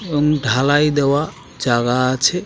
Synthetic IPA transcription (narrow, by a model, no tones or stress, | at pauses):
oŋɖʱalajd̪ewa | d͡ʒaɡat͡ʃʰɛ